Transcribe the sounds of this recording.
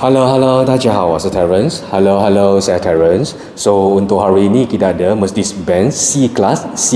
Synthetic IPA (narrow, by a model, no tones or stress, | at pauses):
haloɦalowt̪ad͡ʒaɦawasətɛɹənshalowɦalowsajat̪ʰɛɹə̃ns | sount̪ʊʔ̚ɦaɹiːnĩkidaʔdəməstisbɛ̃nːiklasːi